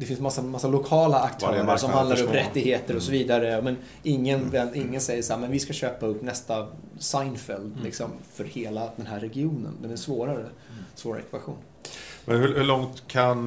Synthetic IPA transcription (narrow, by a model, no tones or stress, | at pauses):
d̪ɛfɪnsmasːamasːalʊkʰɑːlaakt̪ʰuːnasɔmhand̪laɾɔmɾɛt̪ːɪɡheːt̪əɾɔsɔviːd̪aɾəmɛn | ɪŋːənvɛnːɪŋːənsɛjːəʂaːmɛnvɪskaɕøːpaɵpːnɛst̪a | sajnfɛld̪lɪksɔmfœɾheːlad̪ɛnɦæːɾːɛɡɪuːnə̰nd̪ɛnæsvoːɾaɾəsvoːɾa̰ɾɛ̰kvaɧṵːn | mɛnhɵhɵɭɔŋt̪kʰan